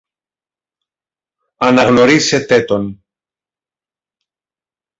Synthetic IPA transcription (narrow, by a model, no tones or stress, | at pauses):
ɐnɐɣno̞ɾise̞t̪e̞t̪o̞n